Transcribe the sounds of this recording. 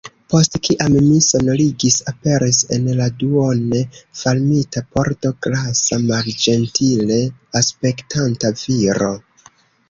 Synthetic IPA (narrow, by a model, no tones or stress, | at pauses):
po̞stkiʔamːiso̞noliɡisape̞ɾise̞̰nladuo̞ne̞falmitapo̞ɾto̞ɡlasamaɾd͡ʒe̞ntʰile̞aspe̞ktʰantaviɾo̞̰